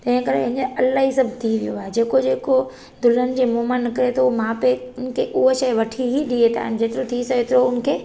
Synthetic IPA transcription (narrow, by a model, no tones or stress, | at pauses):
t̪ɐ̃ɦɪ̃kɐɾḛɦɲəɐlaːɦisɐbʱt̪ʰiʋijoaːɦed͡ʑeːkod͡ʑeːko | d̪ʊlənɪ̆d͡ʑeːmoɦmanɐkəɾet̪ʰomãːpeʊnkʰeʔʊɦoʃɐjʋɐʈʰiɦiɗiet̪a̰ːɦɪnɪ̆d͡ʑeːt̪ɪɾot̪ʰisɐeːt̪ɪɾoʊnkʰeː